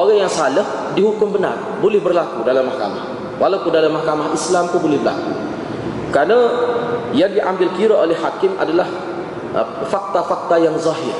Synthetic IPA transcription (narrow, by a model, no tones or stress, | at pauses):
ʔoɣaŋjaŋsaləh | dihukʊmbəna̰r | bolɛhbərlakudalamːahka̰mah | walawkudalamːahkamaɦislamkubolɪhbərla̰kṵ | kɾana | jaŋdiʔambɪlkiɾaʔolɛhːakɪmʔa̰dalah | fak̚t̪afak̚t̪ajaŋzɑɦɪr